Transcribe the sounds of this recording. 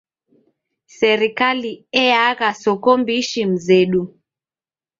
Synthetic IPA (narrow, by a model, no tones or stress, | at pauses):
sɛɾikaliɛaɣasɔkɔmbiʃim̩zɛɗu